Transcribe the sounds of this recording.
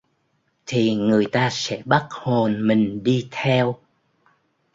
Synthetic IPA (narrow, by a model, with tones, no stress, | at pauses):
t̪ʰi˨˩ŋɨ˨˩əjt̪aː˧sɛ̰˧˥ɓa˦˥t̚ho˨˩nmï˨˩ŋ̟ɗi˧t̪ʰɛ˧w